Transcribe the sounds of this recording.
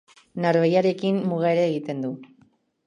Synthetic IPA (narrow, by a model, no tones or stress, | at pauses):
naɾβejaɾe̞kinmːuɣaeɾaːɣit̪e̞nd̪u